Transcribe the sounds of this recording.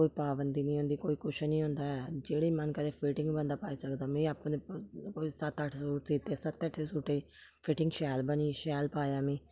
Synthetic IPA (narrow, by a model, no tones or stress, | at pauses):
oːiːpaːbənd̪iːnĩːɦõːnd̪iːkoːiːkʰʊʃnĩːɦʊ̃ːnd̪aːɛːd͡ʒeːɽiːmənkəd̪eːpʰɪʈɪ̃ŋɡbə̃nd̪aːpaːiːsəkd̪aːmɛ̃ːaːpnẽːkoːiːsət̪əʈʰzəɾuːɾsiːt̪ːesət̪ːɛʈʰːeːsuːʈeː | pʰɪʈɪ̃ŋɡʃɛːlbəniːʃɛːlpaːjaːmĩː